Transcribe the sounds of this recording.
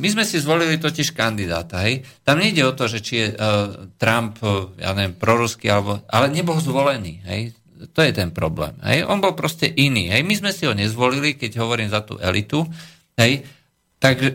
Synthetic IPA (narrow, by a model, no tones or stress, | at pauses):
mizmɛsizʋɔlilit̪ɔciʃkand̪id̪a̰ːt̪aɦɛjt̪amɲɛiɟɛɔt̪ɔʒɛt͡ʃijɛt̪ɾampja̰ːɲɛʋɛmpɾɔɾuskialɛbɔʔalɛɲɛbɔlzʋɔlɛniːɦɛ̰j | t̪ɔjɛt̪ɛnpɾɔblɛ̰ːmɦɛ̰jʔɔnbɔlpɾɔscɛʔinḭːɦɛjmizmɛsiɦɔɲɛzʋɔlilikɛɟɦɔʋɔɾiːmzat̪ṵːʔɛlit̪u | ɦɛj | t̪aɡʒɛ